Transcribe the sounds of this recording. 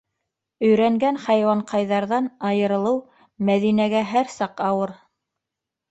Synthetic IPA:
ɵ̆jɾæŋɡænχæjwɑɴqɑjðɑɾðɑnɑjɤ̆ɾɤ̆lˠɤw | mæðinæɡæɦæɾsɑqɑwɤɾ

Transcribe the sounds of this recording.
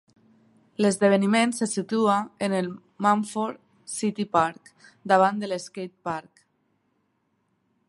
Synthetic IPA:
ləzðəβ̞ənimensəsit̪uaenəlˠ | maɱfoɾ | sit̪ipaɾkd̪aβ̞and̪əleskejt̪̚paɾk

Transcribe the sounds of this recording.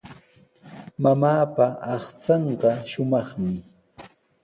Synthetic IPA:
mamaːpaɑχt͡sɑɴɢɑʃʊmɑχmɪ

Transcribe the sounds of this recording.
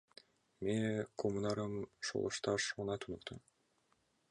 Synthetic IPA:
mekʰomunɑɾɯmʃo̰lˠo̰ʃt̪ɑʃmunɑt̪ʰunuqt̪ʰu

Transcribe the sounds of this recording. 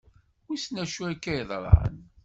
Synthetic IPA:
wisnæʃuækːæjðˤɾˤʕə̰n

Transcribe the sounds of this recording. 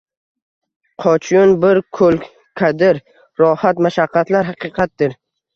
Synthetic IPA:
qʰɒt͡ʃʰjʊnbɪɾkʰɵl | kʰad̪ɪɾ | ɾɒhat̪maʃaqʰːɑt̪laɾɦɑqɨqʰɑt̪̚d̪ɪɾ

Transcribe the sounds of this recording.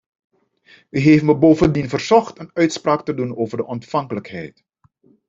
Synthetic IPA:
ʋiɦeːfməbowvəndinvərzɔχtənœɥtspraːktədunoːvərdəʔɔntfɑŋkələkɦɛ̰jt

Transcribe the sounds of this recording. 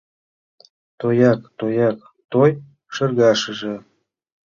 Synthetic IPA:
t̪ojɑk̚t̪ojɑk̚ | t̪oj | ʃɤ̆rɣɑʃə̆ʒĕ

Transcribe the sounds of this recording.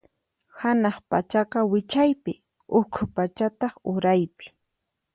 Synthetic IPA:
hanɑχpat͡ʃɑqɑwɪt͡ʃajpɪ | ʊkʰʊpat͡ʃat̪ɑχʊɾajpɪ̥

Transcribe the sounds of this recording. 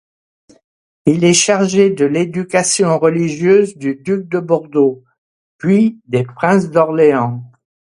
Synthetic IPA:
ilɛʃaʁʒed̪əled̪ykasjɔ̃ʁəliʒjøzd̪yd̪yk̚d̪əbɔʁd̪o | pɥid̪epχɛ̃sd̪ɔʁleɑ̃

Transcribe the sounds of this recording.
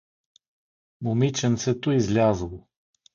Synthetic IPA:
momit͡ʃɛnt̪sɛt̪oizlʲazəlˠo

